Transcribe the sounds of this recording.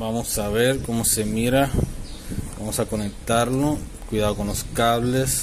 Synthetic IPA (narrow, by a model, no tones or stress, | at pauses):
bamosaβe̞ɾko̞mose̞miɾa | bamosako̞nek̚t̪aɾno | kwiðaðoko̞nloskaβle̞s